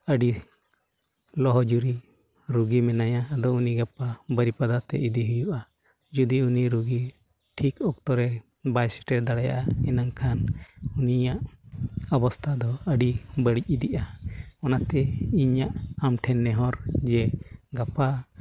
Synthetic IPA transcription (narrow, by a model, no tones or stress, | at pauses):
əɖi | lɔɦɔd͡ʒuɾi | ɾuɡimɛnajaːd̪ɔuniɡapabəɾipad̪at̪ɛ̰ʔid̪iɦujuʔa | d͡ʒud̪iuniɾuɡi | ʈʰikɔk̚t̪ɔɾɛ | bajsɛ̥ʈɛd̪aɽaja̰ʔaɛnaŋkʰanunijaʔɔbɔst̪ʰad̪ɔəɖibəɽic̚ˀid̪iʔaɔnat̪ɛiɲaʔamʈʰɛnːɛɦɔɾd͡ʒɛɡapa